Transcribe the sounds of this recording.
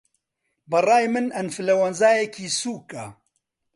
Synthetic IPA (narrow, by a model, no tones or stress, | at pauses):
bɐraːjmɨnɐnfɨlɐwɐnzaːjɛkʰiːsuːka